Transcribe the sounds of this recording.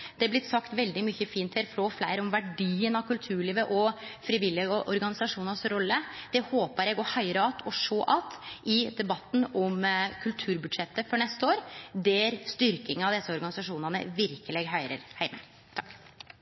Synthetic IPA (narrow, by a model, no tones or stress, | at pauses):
d̪̥ɛæblɪt̪sɑkt̪ʋɛld̪ɪmʏçːəfiːnt̪heːɾfɾɔflæɪɾɔmʋæɖiːənɑkʉlt̪ʰʉːɭiːʋəʔɔfɾɪʋɪlːɪəʔɔɾɡɑnɪsɑʂuːnənsɾɔlːəd̪̥ɛhoːpəɾjɛɡɔhœʏɾəɑt̪ːʰɔʂoːʔɑt̪ʔɪd̪ɛbɑt̪ːn̩ɔmkʰʉlt̪ʰʉːɾbʉd̪ʂɛt̪ːəfɔɳɛst̪əoːɾd̪æɾst̪ʏɾkɪŋɑʋd̪ɛsːəɔɾɡɑnɪsɑʂuːnənə̰ʋɪɾkəlɪɡɦœʏɾə̰ɾhæɪmə̰ | t̪ʰɑkː